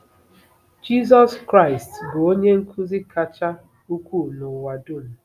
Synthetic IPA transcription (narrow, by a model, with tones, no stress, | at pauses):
d͡ʒi˦zɔ˦skɾa˦˨ɪ˨stɡo˨o˦ɲe˦ŋ̩˦kʰu˦zi˦kʰa˦t͡ʃa˦ | u˦kʷu˦˨nʊ˨wa˨du˦˨n̩˨